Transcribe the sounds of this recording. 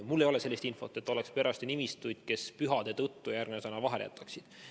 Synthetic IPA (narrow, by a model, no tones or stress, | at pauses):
mulːe̞jo̞lese̞lʲːist̪info̞t̪ːˑe̞t̪ːo̞lekspe̞ɾʔɑst̪nimist̪ujd̪̥ke̞spyɦɑd̪̥e̞t̪ɤt̪ːujærɡ̥nesenɑvɑɦe̞ljæ̰t̪ːˑɑksid̪̥